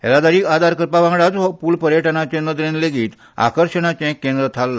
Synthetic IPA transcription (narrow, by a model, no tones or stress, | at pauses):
ɦɛ̰lad̪aɾiːkad̪aɾkəɾpaʋãŋɡɽat͡sɦɔpuːlpəɾjəʈənat͡ɕẽnəd̪ɾẽnleɡiːt̪ | a̰kəɾɕənat͡ɕɛ̃kːẽnd̪ɾət̪ʰalːa